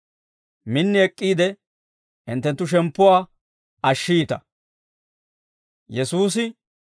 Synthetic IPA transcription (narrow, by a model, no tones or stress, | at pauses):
mɪnːɪɛkʼːiːd̪ɛ | ɪnt̪ːɛnt̪ːʊʃ̬ɛmpːʊwaː | ɐʃːiːt̪ɐ̰ | jɛsuːs̬ɪ